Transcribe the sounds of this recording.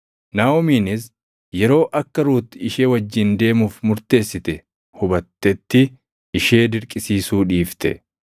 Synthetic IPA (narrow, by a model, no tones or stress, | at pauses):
naːɔmiːnɪs | jɛɾo̞ːʔɐkːɐɾuːt̪ːɪɪʃeːwɐd͡ʒːɪnd̪e̞ːmuːfmʊɾt̪e̞ːsːɪt̪ɛ | hʊbɐt̪ːɛt̪ːɪ | ɪʃeːd̪ɪɾkʼɪsiːsuːᶑiːft̪ɛ̰